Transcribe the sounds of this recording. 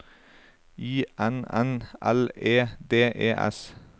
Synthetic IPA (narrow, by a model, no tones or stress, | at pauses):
iːʔɛnɛnʔæ̰leːd̪eːʔeːʔɛ̰s